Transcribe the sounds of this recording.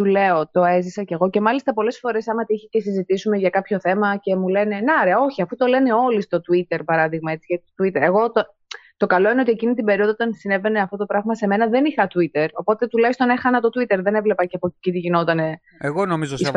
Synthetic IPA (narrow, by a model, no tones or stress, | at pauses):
t̪ule̞o̞t̪o̞ezisɐceɣo̞ce̞mɐlist̪ɐpo̞le̞sfo̞ɾe̞sɐmɐt̪iiçe̥ce̞sizit̪isume̞ʝɐkɐpço̞θe̞mɐce̞mule̞ne̞neoɾeɐo̞çiɐfut̪o̞le̞ne̞o̞list̪o̞t̪uit̪e̞ɾpɐɾɐðiɣmɐe̞tt͡siʝɐot̪uit̪eɾe̞ɣo̞t̪o | t̪o̞kɐlo̞ineo̞t̪ie̞cinit̪ibe̞ɾioðoot̪ɐnsine̞ve̞ne̞ɐft̪ot̪o̞pɾɐɣmɐse̞me̞nɐðe̞nixɐt̪uit̪e̞ɾo̞po̞t̪e̞t̪ulɐçist̪onexɐnɐt̪o̞t̪wit̪e̞ɾðene̞vle̞pɐceɐpocit̪iʝino̞t̪ɐne̞ | eɣonomizosis